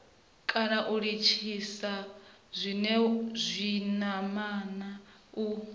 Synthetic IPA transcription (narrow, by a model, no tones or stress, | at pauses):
kʼanaʔuɺit͡ʃʰisa | zʷinɛzʷinamana | u